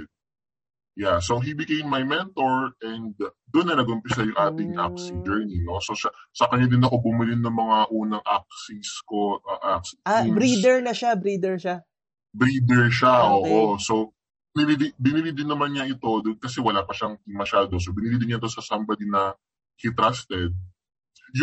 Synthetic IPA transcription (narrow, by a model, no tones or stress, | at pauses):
jaso̞ɦibɪkejmːɐjmɛnt̪oɹɛnd̪ | d̪onːɐnɐɡʔʊmpɪsɐjʊŋʔaːt̪ɪŋʔak̚sid͡ʒɛɹnino̞so̞ʃɐsɐkɐɲad̪ɪnɐko̞bʊmɪlɪnɐŋmɐŋaʔuːnɐŋʔak̚sisko̞ʔɐʔaksbɾiːɛɹnɐʃabɾiːd̪ɛɹʃa | bɾiːd̪ɛɹʃaʔoːʔoso̞ | bɪnɪlid̪ɪbɪnɪlɪd̪ɪnːɐmanɲɐʔɪt̪o̞d̪okɐsɛwɐlapɐʃaŋɪŋmɐʃaːd̪o̞s̬obɪnɪlɪd̪ɪɲaɪt̪o̞sɐsambɐd̪inɐ | hit̪ɾast̪ɛd̪̚ | j